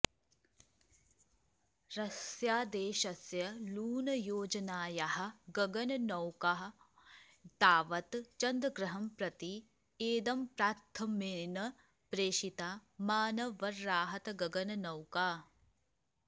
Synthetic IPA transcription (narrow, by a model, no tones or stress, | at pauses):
ɾɐsjaːd̪eːʃɐsjɐluːnɐjoːd͡ʒɐnaːjaɦɐ̆ɡɐɡɐnɐnɐwkaɦɐ | d̪aːʋɐt̪t͡ʃɐnd̪ɾɐɡɾɐɦɐmpɾɐt̪i | eːd̪ɐmpɾaːɾt̪ʰːɐmeːnɐ | pɾeːʃit̪aːmaːnɐʋɐɾːaːɦɐt̪ɡɐɡɐnɐnɐwkaː